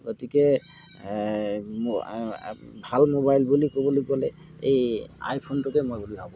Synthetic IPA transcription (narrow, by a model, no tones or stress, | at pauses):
ɡotikɛ | bʱalmobajlbulikɔbɔlikɔlɛ | eja̰jpʰontʊkɛmojbulibabɔ